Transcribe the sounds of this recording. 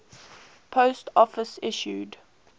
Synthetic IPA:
pʰoʊstɔfəsɪʃjṵd

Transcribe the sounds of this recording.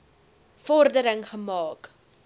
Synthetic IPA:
fɔrdəɾəŋχəmɑːk

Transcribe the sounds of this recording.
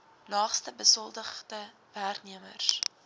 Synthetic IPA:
lɑːχstəbəsɔlˠdəχdə | værkniəmərs

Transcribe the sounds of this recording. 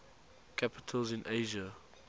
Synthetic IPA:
kʰapɪ̥tʰəlzɪ̃nʔeɪʒə

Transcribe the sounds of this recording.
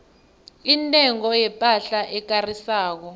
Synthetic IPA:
intʼɛŋɔjɛpʼaɬaʔɛk̬ʼarisaːk̬ɔ

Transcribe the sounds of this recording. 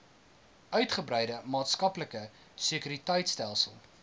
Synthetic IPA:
ʔœɥtχəbɾɛjdəmɑːtskɐpləkə | sekyɾitəjtstælˠsəlˠ

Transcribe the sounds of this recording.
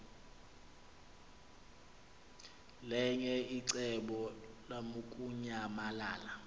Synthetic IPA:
lɛɲɛiǀɛɓɔlamukʼuɲamala̰ːla

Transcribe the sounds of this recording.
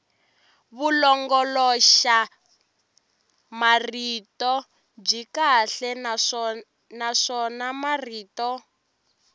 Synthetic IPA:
βulɔŋɡɔlɔʃa | maritɔ | b͡ʐikaɬɛ | naʂɔnamariːtɔ

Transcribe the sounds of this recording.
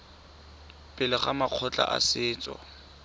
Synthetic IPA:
pʼɪlɪχamaq͡χʰɔt͡ɬʼa̰ʔasɪːt͡sʼɔ̰

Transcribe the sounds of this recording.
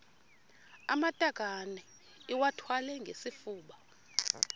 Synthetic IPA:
a̰matʼaɡ̥ʱanɛ | iwatʰwalɛŋɡʱesifuːɓa

